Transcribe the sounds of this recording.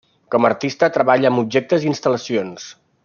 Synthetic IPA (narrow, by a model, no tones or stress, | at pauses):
kɔməɾt̪ist̪ət̪ɾəβaʎəːmub̚ʒek̚t̪əzinst̪ələsions